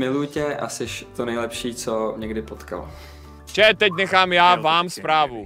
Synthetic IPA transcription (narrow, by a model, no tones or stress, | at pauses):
mɪlujcɛʔa̰sɛʃt̪onɛjlɛpʃiːt͡somɲɛɡdɪpot̪ka̰lo̰ | t͡ʃɛt̪ɛc̬nɛxaːmjaːvaːmspɾaːvu